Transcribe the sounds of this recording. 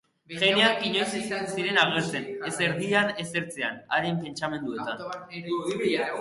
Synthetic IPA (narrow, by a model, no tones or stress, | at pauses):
ʝeneaŋkiɲojssiɾe̞naɣeɾt͡seneseɾðiane̞se̞ɾt͡sea̰naɾempe̞nt͡ʃame̞nd̪ue̞t̪an